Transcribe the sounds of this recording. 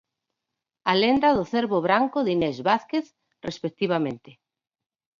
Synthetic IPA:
alend̪aðʊθeɾβʊβɾaŋkʊðinezβaθkeθ | respek̚t̪iβ̞amẽnt̪ɪ

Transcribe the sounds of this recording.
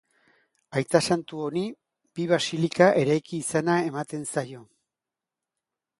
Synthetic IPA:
ajt̪asant̪uo̞ni | biβasilikaʔe̞ɾajkiːsanae̞mat̪e̞nsajo̞

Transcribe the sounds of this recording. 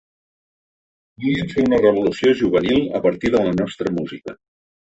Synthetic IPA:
buliəmfeunərəβ̞ulusioʒuβ̞ənilˠə̰pəɾt̪iðlənɔst̪ɾəmuzikə

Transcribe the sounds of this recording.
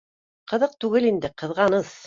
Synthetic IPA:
qɤ̆ðɤq̚t̪ʉɡɘlind̪ɘqɤ̆ðʁɑnɤs

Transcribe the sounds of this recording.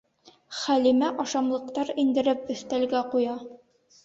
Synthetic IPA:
χælimæʔɒʃɑmlˠɤ̆q̚t̪ɑɾind̪ɘ̆ɾɘp̚ɵ̆θt̪ælɡæqujɑ

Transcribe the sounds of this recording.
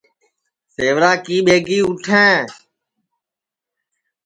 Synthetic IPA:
seːʋɾaːkĩːɓeːɡiːʊʈʰẽː

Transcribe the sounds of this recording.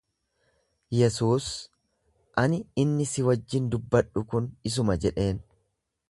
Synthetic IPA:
jɛsuːs | ʔɐnɪɪnːɪsɪwɐd͡ʒːɪnd̪ʊbːɐᶑʊkʊnɪs̬ʊmɐd͡ʒɛᶑe̞ːn

